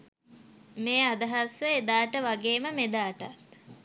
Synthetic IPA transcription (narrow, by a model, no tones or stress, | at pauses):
meːad̪ɐɦasəed̪aːʈəʋaɡeːməmed̪aːʈat̪